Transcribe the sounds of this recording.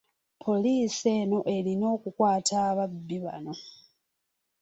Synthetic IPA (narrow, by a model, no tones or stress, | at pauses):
pʰo̞liːse̞ːno̞ʔe̞lino̞ːkukwaːtʰaːβabːiβa̰no̞